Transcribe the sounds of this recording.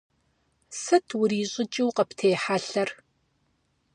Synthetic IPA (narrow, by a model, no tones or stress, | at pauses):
sɐtʰwʊɾiːɕʼɪt͡ʃʼɪwqɐptʰeːħaɬɐr